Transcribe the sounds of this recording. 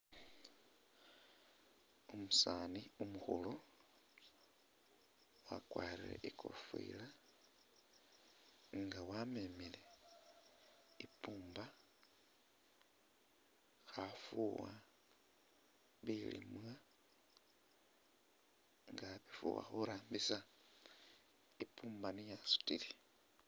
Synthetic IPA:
umusaniumuxulo | wakwaːɾilḛʔikʰo̰fḭla | ŋɡawamemile | ipuːmba | xafuwa | βilḭmwa | ŋɡaβifṵwa̰xuɾaːmbisa | ipʰuːmbanijasu̥tili

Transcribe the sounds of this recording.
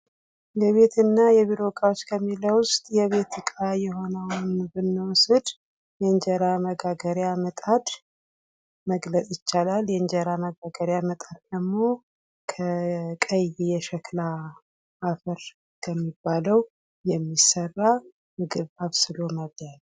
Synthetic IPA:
jɛβe̞t̪ɨnːajɛβiɾokʼawot͡ʃːkʰəmːiləwʊst̪ʼjɛβe̞t̪ʰɨkʼajɛɦo̞nəwnbɨnːəwusɨd̪ | jɛɨɲd͡ʒəɾaməɡaɡəɾjamət̪ʼad̪ | məɡlət͡sʼjɪt͡ʃːalaljɛnd͡ʒəɾaməɡaɡəɾjamət̪ʼad̪̚d̪əmːo̞ | kʰəkʼəjijɛʃɛkʰlaː | fəɾ | kʰəmːibːaləw | jɛmːisərːa | mɨɡɨβaβsɨlo̞mədd̪al

